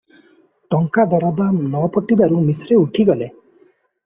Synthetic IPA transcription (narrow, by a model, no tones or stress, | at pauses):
ʈɔŋkad̪ɔɾɔd̪anɔpɔʈibaɾumisɾeuʈʰiɡɔle